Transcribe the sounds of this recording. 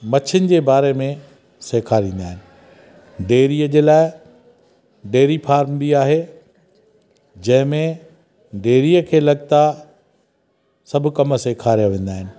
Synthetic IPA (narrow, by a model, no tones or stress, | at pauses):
mɐt͡ɕʰənɪ̆d͡ʑeːbaːɾemẽ | seːkʰaːɾẽːn̆d̪aːɦɪnɪ̆ | ɖeːɾiːəd͡ʑeːlaːɪ | ɖeːɾifaːɾmbiaːɦe | d͡ʑɐ̃ɦɪ̃mẽ | ɖeːɾiːəkʰeːlɐɡt̪a | sɐbʱkɐmseːkʰaːɾijaʋẽːn̆d̪aːɦɪnɪ̆